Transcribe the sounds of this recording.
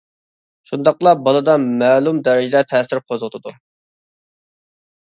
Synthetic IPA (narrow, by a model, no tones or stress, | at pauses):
ʃund̪ɑqlˠɑbɑlˠɨd̪ɑmɛːlˠumd̪ɛɾɪd͡ʒɪd̪ɛt̪ʰɛːsɪɾqʰozʁʊt̪ʰɨd̪u